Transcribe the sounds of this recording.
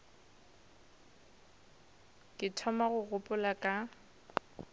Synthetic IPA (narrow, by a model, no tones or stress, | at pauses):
kʼɪtʰɔmaɣʊɣʊpʼʊlakʼa